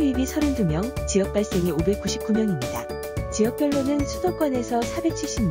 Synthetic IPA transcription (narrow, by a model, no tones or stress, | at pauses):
ɥibisʰʌɾɯndumjʌŋt͡ɕiʌk̚p͈aɭs͈e̞ŋiobe̞k̚k͈uɕʰip̚k͈umjʌŋimɲida̰ | t͡ɕiʌk̚p͈jʌɭːonɯnsʰusʰok͈wʌne̞sʰʌsʰabe̞k̚t͡ɕʰiɭɕ͈imɲ